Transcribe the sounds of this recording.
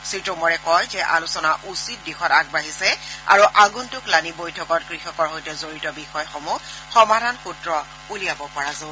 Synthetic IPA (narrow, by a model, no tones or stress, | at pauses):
sitɔmɔɹɛkɔjzɛʔa̰lusɔnaʔusit̚dixɔtaɡ̚baɦisɛa̰ɹuʔaɡuntʊklanibojtʰɔkɔt̚kɹixɔkɔɹɦojtɛzoɹitɔbixɔjxɔmu | xɔmadʱanxutɹɔ | ulijabɔpɔɹazo